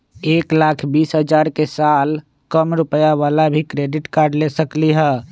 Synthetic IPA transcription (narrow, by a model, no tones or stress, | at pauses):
eːklakʰbiːsɦəd͡ʒaɾkesal | kəmɾupəjaʋalabʱikɾeɖɪʈkaːɾɖlesəkliɦɛ